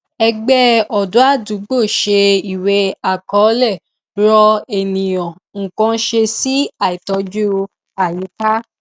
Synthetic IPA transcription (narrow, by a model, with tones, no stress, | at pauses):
ɛ˧ɡ͡bɛ˦ɔ˨du˨˦a˦˨du˨˦ɡ͡bo˦˨ʃe˧i˨we˧˦a˨kɔ˨˦lɛ˦˨ | ɾɔ˧e˨nĩ˨j̃ɔ̃˨ | ŋ̩˨kɔ̃˧˦ʃe˧si˦a˨i˨tɔ˧d͡ʒu˦˧ | a˨ji˨˦ta˦